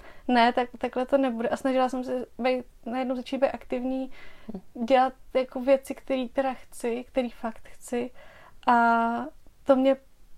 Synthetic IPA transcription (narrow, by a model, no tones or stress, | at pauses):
nɛt̪akt̪aklɛt̪o̞nɛbudɛʔasnaʒɪlasɛmsɛbɛjt̪̚najɛdnowzat͡ʃiːt̪bejt̪ʔakt̪ɪvɲiː | ɟɛlat̪̚jakovjɛt͡sɪkt̪ɛɾiːt̪ɛɾaxt͡sɪkt̪ɛɾiːfakt̪xt͡sɪʔa | t̪o̞mɲɛ